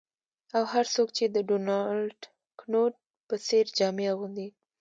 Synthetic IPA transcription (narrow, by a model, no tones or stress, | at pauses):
awhaɾsokt͡ʃed̪əɖonɑlʈ | knoʈ̚ | pəseɾd͡ʒɑmeaɣund̪i